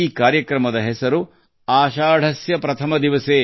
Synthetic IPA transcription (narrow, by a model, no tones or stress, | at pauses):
iːkaːɾjɐkɾɐmɐd̪ɐɦɛsɐɾu | aːʃaːɽʱɐsjɐpɾɐt̪ʰɐmɐd̪iʋɐseː